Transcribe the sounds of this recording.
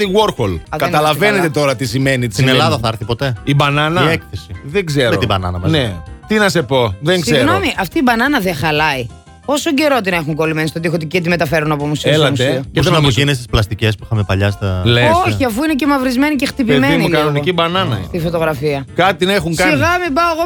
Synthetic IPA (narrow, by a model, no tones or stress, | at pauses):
t̪iɣoɾxolɐkɐt̪ɐlɐvenet̪et̪o̞ɾɐt̪isimenit̪isinelɐðɐθɐɐɾθipo̞t̪e̞ibɐnɐnɐiekθesiðeŋɡzeɾeot̪ibɐnɐ̰nɐmɐnet̪inɐse̞po̞ðeŋɡzsieɾnomiʔɐft̪iːbɐnɐnɐðexɐlɐi | po̞soɟe̞ɾot̪̬ine̞xuŋɡo̞limenist̪ot̪ixot̪icit̪ime̞t̪ɐfe̞ɾunɐpomusilɐmusiusɐmoʝinest̪isplɐst̪icespuixɐmepɐʎɐst̪ɐleoçiɐfuinece̞mɐvɾizme̞nicext̪ipiemeimnilkɐnonicibɐnɐnɐ̰st̪ifo̞t̪o̞ɣɾɐfiɐkɐt̪inexuŋskɐiɣɐmibɐoɣo